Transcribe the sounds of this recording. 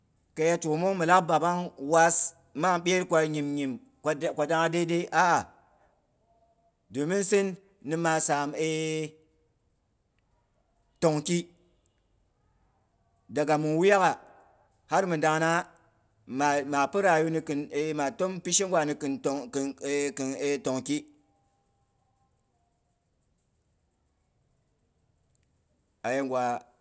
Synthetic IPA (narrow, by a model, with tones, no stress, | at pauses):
ka˨ja˦to˨mo˦ŋmɨ˨la˦k̚ba˨ba˦ŋwa˦s | ma˦ŋɓʲe˦ɾkʷa˨ɲi˨mɲi˨m˨˦˨ | kʷa˨da˦ŋa˦de˦de˦ʔa˦ʔa˨ | do˨mi˦nsi˦nː | i˨ma˨sa˨me˦ | to˨ŋki˦ | da˨ɡa˨mu˨nwu˦ja˦ka˨ | ha˦ɾmɨ˨da˨ŋna˦ | ma˨ma˨pu˦ɾa˨ju˦ni˦ki˨ne˦ma˨to˦mpi˦ʃi˦ŋ˦wʷa˨ni˨ki˨n˨˦ki˨e˦to˨ŋki˦ | a˨je˦ŋɡʷa˨